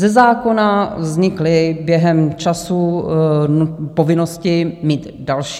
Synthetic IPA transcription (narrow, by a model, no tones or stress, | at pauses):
zɛzaːko̞navzɲɪklɪbjɛɦɛmt͡ʃasu | nupo̞vɪno̞scɪmiːt̪ | dalʃ